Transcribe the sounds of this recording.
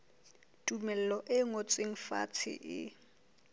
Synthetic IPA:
tʼumɛl̩lɔʔɪŋot͡sʼweŋ̩fa̰t͡sʰɪ̰ʔɪ̰

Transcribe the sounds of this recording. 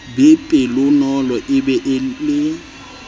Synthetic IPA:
bɪpʼɪlʊnɔlɔʔɪbɛʔlɪ

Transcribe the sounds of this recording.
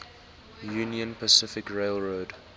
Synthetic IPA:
juːniə̃npʰəsɪfɪkɹeɪlˠɹoːd

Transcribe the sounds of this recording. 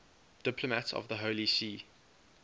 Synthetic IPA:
d̥ɪpʰləmətɔ̰vðəɦolisiː

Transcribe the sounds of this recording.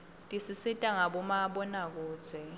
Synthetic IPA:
tʼisisitʼaŋaɓɔmaɓɔnak̬u̥ːz̥ʱwɛ

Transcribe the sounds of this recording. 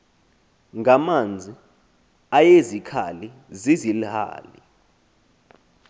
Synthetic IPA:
ŋamand͡zʱi | ajezikʰa̰li | zizilha̰ːlḭ

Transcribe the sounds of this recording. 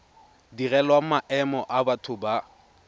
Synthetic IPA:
dirɛlwamaʔɛmɔʔabatʰʊba

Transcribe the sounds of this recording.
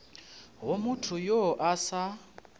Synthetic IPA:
ɦomutʰʊjoʔasa

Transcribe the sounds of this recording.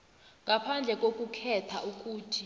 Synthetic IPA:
ŋɡapʰand͡ɮʱɛkʼokʼukʰɛtʰaʔuk̬ʼuːtʰi

